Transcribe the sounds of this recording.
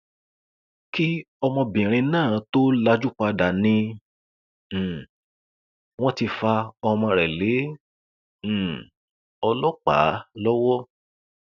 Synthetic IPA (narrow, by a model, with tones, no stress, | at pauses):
ki˦ | ɔ˧mɔ̃˧bĩ˨ɾ̃ĩ˧nãː˦˨˦to˦la˧d͡ʒu˦k͡pa˧da˨nĩ˧˨ | w̃ɔ̃˦ti˧fa˧ɔ˧mɔ̃˧ɾɛ˨le˨˦˨ | ɔ˧lɔ˦k͡pa̰˨˦lɔ˦wɔ˦